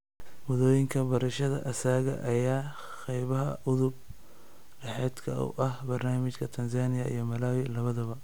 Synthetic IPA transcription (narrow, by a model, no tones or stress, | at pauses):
wɐðɔːjɪŋkʰɐbɐɾɐʃɐðɐ̰ʔɐsaːɣɐ̰ʔɐjaː | qɛjβɐɦɐʔʊðʊb̚ | ɖɐħɛːd̪kʰɐ̰ṵʔɐhbɐrnaːmɪt͡ʃkʰɐt̪ʰɐns̬aːnɪjɐḭjɞmɐlaːwɪlɐβɐðɐβɐ